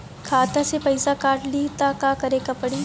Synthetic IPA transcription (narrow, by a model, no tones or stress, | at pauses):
kʰaːt̪asepɐɪsakaːʈʰlit̪akaːkɐɾekɐpɐɽiː